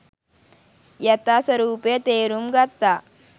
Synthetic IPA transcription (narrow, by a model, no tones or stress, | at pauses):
jɐt̪asɐɾuːpjt̪eːɾumɡɐt̪ːa